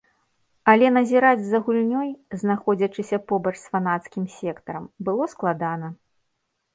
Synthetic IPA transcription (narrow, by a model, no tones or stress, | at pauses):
ɐlʲɛnɐzʲiɾad͡zʲzɐɣulʲnʲɔjznaxɔd͡zʲɐt͡ʂɨsʲɐpɔbɐt͡ʂʂsfanat̪skʲimsʲɛkt̪ɐɾɐmbɨlˠɔsklˠad̪anɐ